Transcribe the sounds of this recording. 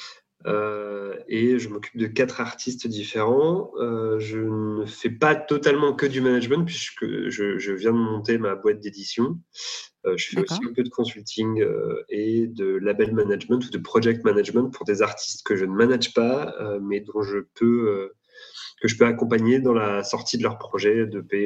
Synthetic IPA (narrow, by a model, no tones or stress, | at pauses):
ø | eʒəmɔkʲy̥p̚d̪əkʲat̪χaʁt̪ʰist̪d̪ifeʁɑ̃øʒənəfɛpat̪ɔt̪almɑ̃kəd̪ymanaʒmɑ̃t̪̚pɥiskə̰ʒəʒəvjɛ̃d̪əmɔ̃t̪̬emabwat̪̚d̪ed̪isjɔ̃ | øʒəfɛosiɛ̃pød̪əkɔ̃sylt̪ʰiŋɡø̰ed̪əlabɛlmanaʒmɑ̃t̪ud̪əpχɔʒɛk̚t̪manaʒmɑ̃t̪̚puʁd̪ezaʁt̪ʰi̥st̪kəʒənəmanaʒpaømɛd̪ɔ̃ʒəpøø | kəʒəpøakɔ̃paɲed̪ɑ̃lasɔʁt̪id̪əlœʁpχɔʒɛd̪əpe